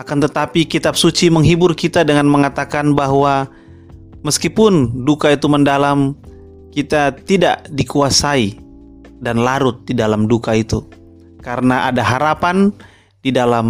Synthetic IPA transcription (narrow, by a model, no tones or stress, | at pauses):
akant̪ət̪apikit̪ap̚sut͡ʃiməŋɦibʊrkit̪adəŋanməŋat̪akanbaɦwa | məskipʊndukait̪uməndalam | kit̪at̪ida̰ʔdikuasai | danlaɾʊt̪̚didalamdukait̪u | kaɾənaʔadaɦaɾapan | didalam